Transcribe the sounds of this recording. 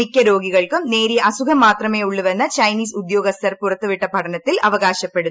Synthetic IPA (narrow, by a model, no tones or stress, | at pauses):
ikʲːɐɾo̞ːɡiɣɐɭkumneːɾijɐɐsukʰɐmːaːt̪rɐme̞ːuɭːuʋɐnːɐt͡ɕɐjniːsud̪jo̞ːɡɐst̪ʰɐrpurɐt̪ːɨʋiʈːɐpɐʈʰɐnɐt̪ːilʔɐʋɐɣaːɕɐpːeɽu